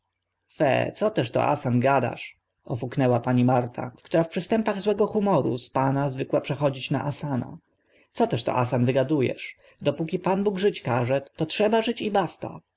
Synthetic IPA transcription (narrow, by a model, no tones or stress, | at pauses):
fɛ̰t̪sɔt̪ɛʂt̪ɔ̰ʔa̰sanɡad̪a̰ʂ | ʔɔfuknɛwapaɲimaɾt̪ʰa̰kt̪uɾafpʂɘst̪ɛmpaɣzwɛɡɔxumɔɾṵspanazvɘkwapʂɛxɔd͡ʑit͡ɕna̰ʔasana̰ | t̪sɔt̪ɛʂt̪ɔ̰ʔasanvɘɡad̪ujɛ̰ʂ | d̪ɔpukʲipanbuɡʐɘt͡ɕkaʐɛt̪ɔtʂɛbaʐɘt͡ɕibast̪a̰